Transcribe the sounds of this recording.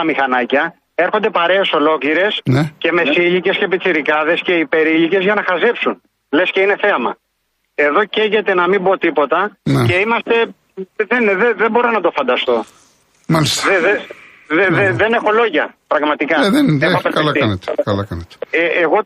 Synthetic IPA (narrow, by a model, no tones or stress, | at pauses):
ɐmixɐnɐcɐ | e̞ɾxo̞nd̪e̞pɐɾe̞ːso̞lo̞cliɾe̞snece̞me̞siʎice̞scepit̪ʰiɾikɐðe̞sce̞ipe̞ɾiʎice̞zʝɐnɐxɐzepsun | le̞sceine̞θeɐmɐ | e̞ðo̞ceɾʝet̪e̞nɐmibot̪ipo̞t̪ɐnce̞imɐst̪e̞ | ðenðeðebo̞ɾo̞nɐt̪o̞fɐnd̪ɐst̪o̞ | malist̪ðeðe | ðeðeðene̞xo̞lo̞ʝɐpɾɐɣmɐt̪ikɐðeexoɐeilɐk̪iɐnet̪e̥kɐlɐkɐnet̪e̥eeɣo̞